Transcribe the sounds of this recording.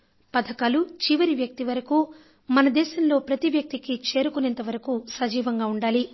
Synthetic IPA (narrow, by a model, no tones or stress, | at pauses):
pɐd̪ʰʱɐkaːlut͡ʃiʋɐɾiʋjɐk̚t̪iʋɐɾɐku | mɐnɐd̪ɛːʃɐmlo̞ːpɾɐt̪iʋjɐk̚t̪ikit͡ʃe̞ːɾukunent̪ɐʋɐɾɐkusɐd͡ʒiːʋɐŋɡaːuɳɖaːli